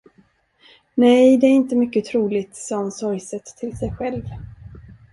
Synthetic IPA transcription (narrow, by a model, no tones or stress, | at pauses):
nɛjd̪ɛæɾɪnt̪əmʏkːət̪ʰɾuːlɪt̪sɔmsɔɾsɛt̪ʰːɪlsɛjɧɛlv